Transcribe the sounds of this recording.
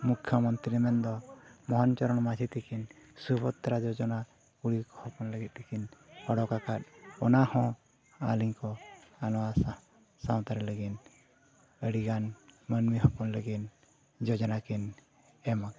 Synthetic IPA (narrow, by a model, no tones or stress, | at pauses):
mukʰjɔmɔnt̪ɾiɛmɛnd̪ɔmɔɦɔnt͡ʃɔɾɔɽmad͡ʒʱit̪ikin | subʰɔt̪ːɾad͡ʒɔd͡ʒɔna | kuɽikɔhɔpɔnləɡit̪̚t̪ikinɔɽɔkakat̪̚ɔnahɔ̃ | a̰liɲkɔanɔwasa | sawt̪aɾɛləɡin | əɽiɡanmənmiɦɔpɔnləɡin | d͡ʒɔd͡ʒɔnakin | ɛmak